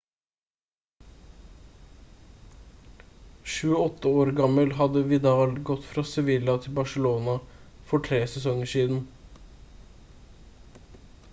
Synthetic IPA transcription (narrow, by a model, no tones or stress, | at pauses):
ʃʉːəɔt̪ːəoːɾɡɑməlɦɑd̪əʋɪd̪ɑːlɡɔt̪fɾɑːsɛʋɪlɑt̪ʰɪlbɑʂəloːnɑ | fɔʈʰɾeːsɛsɔŋəʂiːd̪n̩